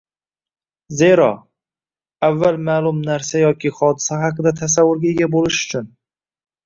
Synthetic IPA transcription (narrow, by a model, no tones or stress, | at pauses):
ze̞ɾɒ | avːalmalʊmnaɾsajɒkʲʰɪχɒd̪ɪ̥sahɑqɨd̪at̪ʰasavːʊɾɡʲaeɡʲabolɪʃʊ̥t͡ʃʰʊn